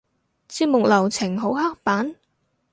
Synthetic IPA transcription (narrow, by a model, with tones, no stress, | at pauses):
t͡siː˧t̚mʊ˨k̚lɐ˨˩wt͡sʰɪ˨˩ŋɦo˨˥wha˥k̚paː˨˥n